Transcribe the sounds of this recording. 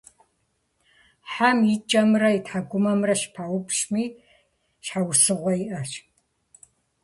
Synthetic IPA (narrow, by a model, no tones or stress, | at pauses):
ħamjɪt͡ʃʼɐmrɐitħaɡʷʊmɐmrɐɕpʰawʊpʃmiː | ʃħawsɨʁʷɔjiʔɐʃ